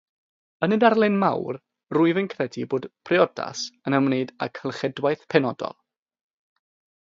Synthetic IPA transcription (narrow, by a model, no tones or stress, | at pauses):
ənədarlˠɪnma̰wr | rʊɨvənkʰrɛdiboːd̥pʰrɪɔda̰sənəmneɨda̰kʰəlˠχɛdwajθpʰɛnɔdɔ̰lˠ